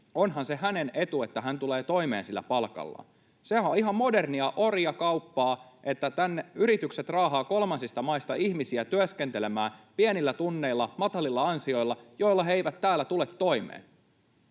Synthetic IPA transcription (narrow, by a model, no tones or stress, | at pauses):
o̞nɦɑnse̞ɦæne̞ne̞t̪ue̞t̪ːæɦænt̪ule̞ːt̪o̞imḛːnsilːæ̰pɑlkɑ̰lːɑ̰ | sehæoiɦɑmmo̞derniɑʔo̞ɾiɑkɑwpːɑːʔe̞t̪ːæt̪ænːeyɾit̪ykse̞t̪rɑːɦɑːko̞lmɑnsist̪ɑmɑist̪ɑiçmisiæt̪yæske̞nt̪ele̞mæːpienilːæt̪unːe̞ilːɑmɑt̪ɑlːilːɑɑnsio̞ilːɑjo̞ilːɑɦeiʋæt̪tæːlːæt̪ulet̪ːo̞imḛːn